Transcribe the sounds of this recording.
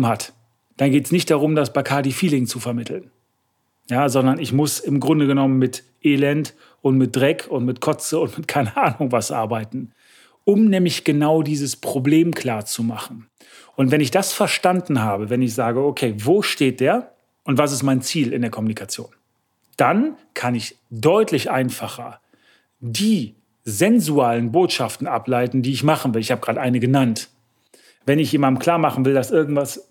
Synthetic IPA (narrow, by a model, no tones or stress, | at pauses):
mhat | d̥anɡeːtəsnɪçt̚d̥aʁʊmdasb̥aɪkʰaːdiːfiːlɪŋt͡sufɛɐmɪtʰl̩n | jaːzɔndɐnɪçmʊsɪmɡʁʊndəɡənɔmənmɪt | ʔeːlɛnt | ʊntmɪt̚d̥ʁɛkʰʊntmɪtkʰɔt͡səʊntmɪtkʰaɪnəʔaːnʊŋvasʔa̰ɐbaɪtn̩ | ʊmnɛːmlɪçɡ̥ənaʊdiːzəspʁ̥obleːmkʰl̥aːɐt͡sumaχn̩ | ʔʊntvɛnɪçd̥asfɛɐʃtandn̩ɦaːbəvɛnɪçz̥aːɡəokʰeːvoːʃteːt̚d̥eːɐ | ʔʊntv̥as̬ɪstmaɪnt͡siːlɪ̰ndeːɐkʰɔmunikʰat͡sjo̰ːn | d̥ankʰanɪç | dɔʏtʰlɪçʔaɪnfaχɐ | diː | zɛnzuaːlənboːtʃaftn̩ʔaplaɪtn̩diːɪçmaχn̩vɪlɪçhaːbəɡ̥ʁaːdəʔaɪnəɡənant | vɛnɪçjeːmandn̩kʰl̥aːɐmaχn̩vɪldasʔɪɐɡŋ̩tv̥as